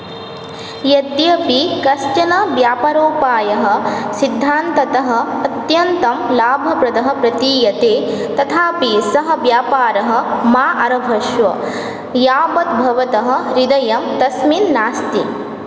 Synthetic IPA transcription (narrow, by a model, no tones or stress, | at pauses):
jɐt̪jɐpikɐst͡ʃɐnɐʋjaːpɐɾoːpaːjɐɦɐ̆sid̪ʱːaːnt̪ɐt̪ɐɦɐ̆ɐt̪jɐnt̪ɐmlaːbʱɐpɾɐd̪ɐɦɐ̆pɾɐt̪iːjɐt̪eːt̪ɐt̪ʰaːpiːsɐɦɐ̆ʋjaːpaːɾɐɦɐ̆maːʔɐɾɐbʱɐʃʋɐ̰ | jaːpɐt̪̚bʱɐʋɐt̪ɐɦɐ̆ɾid̪ɐjɐmt̪ɐsminːaːst̪i